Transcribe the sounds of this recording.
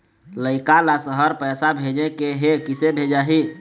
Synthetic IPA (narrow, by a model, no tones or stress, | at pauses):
ləɪkalasəɦəɾpɛːsabʱed͡ʒekeɦekisebʱed͡ʒaɦi